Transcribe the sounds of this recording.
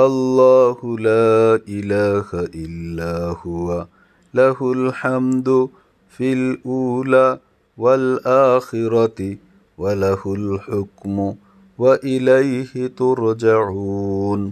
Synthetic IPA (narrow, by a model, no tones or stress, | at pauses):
ʔalːɑːhʊlaːʔɪlaːhaʔɪlːaːhʊwa | lahʊlħamd̪ʊ | filʔuːlaː | walʔaːxɪɾˤɑ | walahʊlħʊkmʊ | waʔɪlajhɪt̪ʊɾd͡ʒaʕuːn